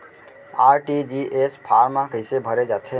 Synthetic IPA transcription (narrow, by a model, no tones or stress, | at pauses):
aːɾʈid͡ʒiʔespʰaːɾmãkəɪsebʱəɾed͡ʒaːt̪ʰe